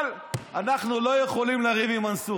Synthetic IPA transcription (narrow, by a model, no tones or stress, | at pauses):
l | anaχnulo̞jeχo̞limlaʁivimansu